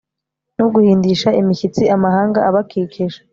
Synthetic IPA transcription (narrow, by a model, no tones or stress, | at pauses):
nuɡuhiːndiʃaimiçit͡siʔamahaːŋɡaaβakikʰeʒe